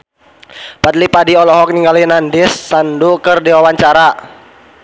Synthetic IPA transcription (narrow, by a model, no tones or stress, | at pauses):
pat̪̚lipadiɔlɔɦɔk̚niŋɡalinandɪsːandukərdiwawaɲt͡ʃaɾa